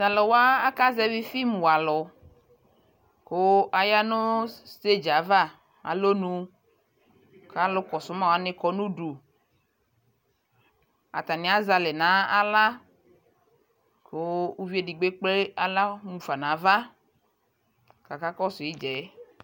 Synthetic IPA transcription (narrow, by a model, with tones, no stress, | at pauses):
za˨lɔ˨wa˦a˦ka˦zɛ˦vi˦fi˦m˨wa˨lɔ˨ | ko˦ʔa˨ja˦no˦ste˦d͡ʒa˨˦va˦˨ | a̰˨lo˦nũ˦ | ka˦lo˦kɔ˨sʊ˦mã˦wa˦nɪ˦kɔ˨˦nũ˦ɖu˨ | a̰˨t̪a˨nɪ̃˦a˦za˨le˨nã˨˦a˨la˦ | ko˦u˦vi˦e˦di˨ɡ͡be˦k͡ple˦a˨la˦mũ˨fa˨nã˨˦va˦ | ka˨ka˦kɔ˦sʊ˨i˦d͡ʒɛ˨˦